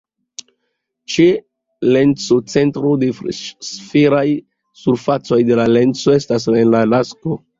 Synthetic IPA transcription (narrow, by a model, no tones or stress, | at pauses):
t͡ʃe | lent͡so̞t͡se̞ntɾodefsfeɾaj | suɾfat͡so̞jde̞lale̞nt͡soe̞stas̬enlalasko